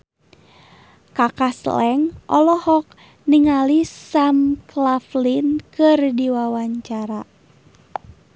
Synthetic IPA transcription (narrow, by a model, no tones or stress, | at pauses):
kakaslɛŋʔɔlɔhɔk̚ | niŋalisamklaflinkɨrdiwawaɲt͡ʃaɾa